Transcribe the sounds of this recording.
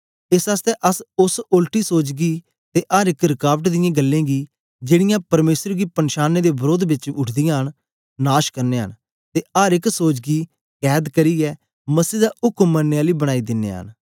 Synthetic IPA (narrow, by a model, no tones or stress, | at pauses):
ɪsaːst̪ɛːʔɐsʊsoːlʈiːsoːd͡ʒɡiː | t̪eːʔaːɾɪkɾɪkaːʋəʈ̬d̪ɪjãːɡəlːẽːɡiː | d͡ʒeːɽɪjãːpɐɾmeːsəɾɡiːpənʃaːnːeːd̪eːbəɾoːd̪bɪt͡ʃʊʈʰd̪ɪjãːɦən | naːʃkəɾneːɦə̰n | t̪eːaːɾɪksoːd͡ʒɡiː | kɛːd̪kəɾiːɛː | mɐsiːd̪aːʊkmːənːeaːliːbəɽ̃aːid̪ɪnːḛːɦə̰n